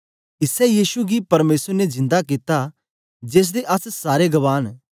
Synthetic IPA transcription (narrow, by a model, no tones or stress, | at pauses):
ɪsɛjiːsuɡipɐɾmeːsəɾnezɪ̃nd̪akit̪a | d͡ʒeːs̬d̪eʔɐssaːɾeɡɐʋaːn